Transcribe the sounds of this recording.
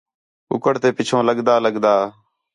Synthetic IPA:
ʊ̰kəɽt̪eːpɪt͡ʃʰõːləɡd̪aːləɠd̪aː

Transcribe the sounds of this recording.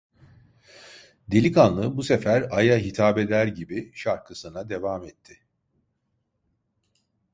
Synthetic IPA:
d̪e̞lʲikanlˠɯbuse̞fæɾajaɦit̪ʰaːbe̞d̪æɾɟibiʃaɾkʰɯsɯnad̪e̞vaːmɛt̪ʰːɪ

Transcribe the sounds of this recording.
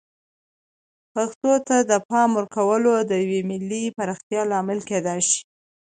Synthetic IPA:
paxt̪ot̪ad̪əpɑmwəɾkawəlod̪əjawemɪlːipaɾɑxt̪jɑlɑmɪlked̪ɑjʃi̥

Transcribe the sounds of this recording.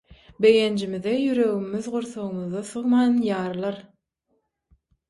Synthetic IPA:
bejend͡ʒimiðejyɾø̞ɣymyðʁuɾθoʁɯmɯðɑθɯʁmɑːnjɑːɾlˠɑɾ

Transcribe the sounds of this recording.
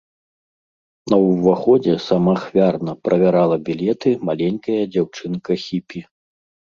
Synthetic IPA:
nɐwvaxɔd͡zʲɛsamaxvʲarnɐpɾʔɐvʲaɾalˠɐbʲilʲɛt̪ɨmalʲɛnʲkɐjɐd͡zʲawt͡ʂɨnkɐxʲipʲi

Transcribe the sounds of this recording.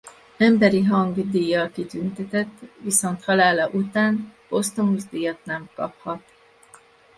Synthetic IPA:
ɛmbɛɾiɦɒŋɡd̪iːjːɒlkit̪ynt̪ɛt̪ɛt̪ːviso̞nt̪hɒlaːlɒʔut̪aːnb̥o̞st̪omuzd̪iːjɒt̪nɛmkɒ̰phɒt̪

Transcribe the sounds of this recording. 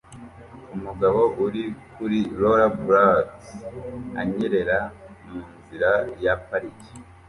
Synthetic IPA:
umuɡaβo̞ʔuɾikuɾiɾoɾabuɾat | a̰ɲeɾe̞ɾamiːnziɾajapaɾiki̥

